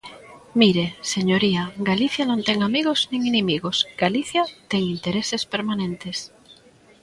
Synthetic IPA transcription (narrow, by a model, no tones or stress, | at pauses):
miɾeseɲoɾiaɡaliθjanõnt̪eŋamiɣoz̥nĩŋinemiɣosɡ̥aliθjat̪eŋint̪eɾesespeɾmanẽnt̪es